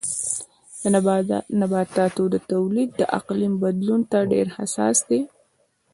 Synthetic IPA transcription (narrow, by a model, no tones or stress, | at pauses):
nabɑt̪ɑt̪od̪ət̪awlid̪̚ːəʔa̰qlimbad̪lunt̪aɖeɾhasɑ̰sd̪e